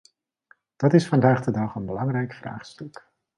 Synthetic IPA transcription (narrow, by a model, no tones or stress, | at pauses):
d̥ɑtɪsfɑndaːχdədɑχənbəlɑŋrɛjkfra̰ːχstɵk